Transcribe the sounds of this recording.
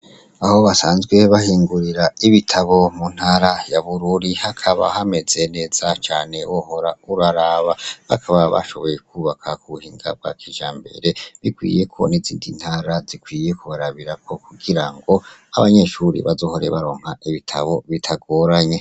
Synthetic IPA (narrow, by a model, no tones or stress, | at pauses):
aho̞βasaːnzɡwe̞βahiːŋɡuɾiɾaiβitʰaβo̞mun̥haːɾajaβuɾuɾihakʰaβa̰hame̞ze̞ne̞ːz̥at͡ʃaːne̞woho̞ɾauɾaɾaβaβakʰaβaβa̰ʃo̞̰βo̞je̞kʰuːβakʰakuuhiːŋɡa̰b̚ɡa̰kʰiʒaːmbe̞̰ɾe̞βikwḭːje̞kʰo̞̰nizḭːndin̥haːɾazikwiːje̞kuβaɾaβiɾako̞kuɡiɾaŋɡo̞aβaɲe̞ʃuɾḭβazo̞ho̞ɾe̞̰βaɾo̞ːŋ̥haʔiβitʰa̰βo̞βitʰaɡo̞ɾaɲe̞